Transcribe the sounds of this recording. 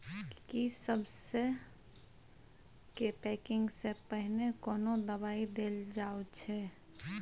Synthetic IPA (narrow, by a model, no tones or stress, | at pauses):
kisəbse | kepɛːkɪ̃ŋɡsepəɦnekɔːnod̪əbaːid̪eld͡ʒaːut͡ʃʰɛ